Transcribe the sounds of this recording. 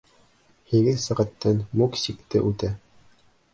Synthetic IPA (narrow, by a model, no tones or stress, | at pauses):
hiɡɘðsɤ̆ʁɑ̆t̪ːɤnmuksʲikt̪ɘʔʉt̪æ